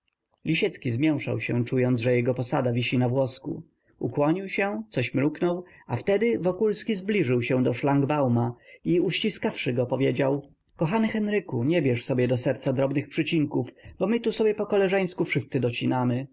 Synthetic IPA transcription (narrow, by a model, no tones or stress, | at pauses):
lʲiɕɛt̪skʲizmʲjɛw̃ʂa̰wɕɛ̰̃t͡ʂujɔnd̪zʐɛjɛɡɔpɔsad̪avʲiɕinavwɔskṵ | ṵkwɔɲiwɕɛt̪sɔɕmɾuknɔwaft̪ɛd̪ɘvɔkulskʲizblʲiʐɘwɕɛ̃d̪ɔʂlaŋɡbawmaiuɕt͡ɕiskafʂɘɡɔpɔvʲjed͡ʑaw | kɔxanɘxɛnɾɘkuɲɛbʲjɛʂsɔbʲjɛd̪ɔsɛɾt̪sad̪ɾɔbnɘxpʂɘt͡ɕiŋkuvbɔmɘt̪usɔbʲjɛpɔkɔlɛʐaj̃skufʂɘst̪sɘd̪ɔt͡ɕinamɘ